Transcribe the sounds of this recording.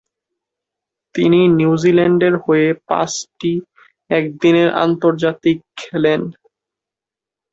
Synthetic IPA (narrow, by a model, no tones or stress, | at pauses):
t̪ininjiuud͡ʑilɛɳɖeɾhoepã̰sʈi | ɛk̚d̪ineɾʔa̰nt̪oɾd͡ʑat̪ikkʰːɛlen